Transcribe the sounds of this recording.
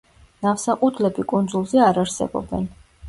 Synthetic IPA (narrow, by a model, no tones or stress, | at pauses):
nafsaqʼut̪ʰlɛbikʼund̪zulˠzɛaɾaɾsɛ̰bɔ̰bɛ̰n